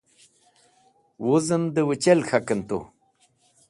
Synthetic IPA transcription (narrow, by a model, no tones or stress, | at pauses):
wuzəmd̪əwət͡ɕelxʰakənt̪ṵ